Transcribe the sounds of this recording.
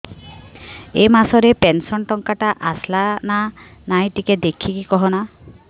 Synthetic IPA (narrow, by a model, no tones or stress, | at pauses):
emasɔɾepensɔnʈɔŋkaʈaʔaslana | najʈiked̪ekʰikikɔɦɔna